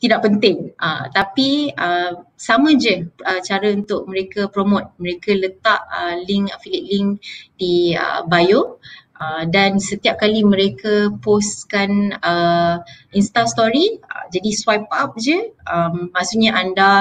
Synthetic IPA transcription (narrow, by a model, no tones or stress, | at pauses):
t̪idaʔpənt̪ɪŋə̰t̪apiəsamə̃d͡ʒəət͡ʃaɾəunt̪ʊʔ̚mə̃ɾekəpɾomot̪̚məɾekələt̪aʔəliŋkfilit̪̚liŋkdiə̰bajoʔədansət̪iap̚kalimə̃ɾekəposkanə | inst̪ast̪oɾiə̰d͡ʒadiswajp̚ap̚d͡ʒəʔəmːasuʔɲaʔanda